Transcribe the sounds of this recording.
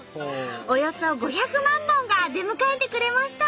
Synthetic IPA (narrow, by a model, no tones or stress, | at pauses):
ojo̞so̞ɡo̞çakɯ̟mãmbõ̞ŋɡad̪e̞mɯ̟kaet̪e̞kɯ̟ɾe̞maɕi̥t̪a